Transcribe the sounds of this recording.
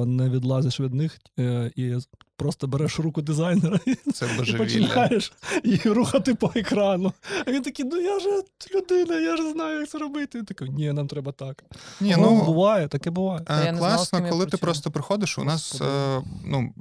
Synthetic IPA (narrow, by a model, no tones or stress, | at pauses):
nɛʋʲid̪lˠɑzɪʃʋʲid̪nɪx | i | pɾɔst̪ɔbɛɾɛʃrukʊd̪ɪzɑjneɾɐsɛlˠɐʒiepɔʋʲt͡ʃiɪnʲɑjeʃiruxɐt̪ɪpɔekɾɑnʊɐʋʲint̪ɐkʲijnujaʒɛlʲʊd̪ɪnɐjaʒɛznɑjʊjak̚t̪sɛɾɔbɪt̪ɪʋʲint̪ɐkʲɛnʲinɑmt̪ɾɛbɐt̪ɑknʲinuubʊʋɑjɛt̪ɐkɛbʊʋɑjɛllˠɑsnɔkɔlˠɪɪpɾɔst̪ɔpɾɪxɔd̪ɪʃʊ̰nɑs | nu